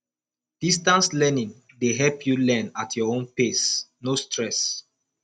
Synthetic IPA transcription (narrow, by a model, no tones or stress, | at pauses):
d̥istãnslɛnĩŋ | deɦɛlpʰjulɛ̃natʰjɔõnpesnostɹɛs